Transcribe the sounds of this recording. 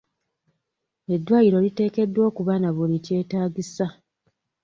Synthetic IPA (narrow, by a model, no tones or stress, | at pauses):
e̞dːwaːjiɾo̞lite̞ːke̞dːwo̞ːkuβaːnaβulice̞ːtaːɟisa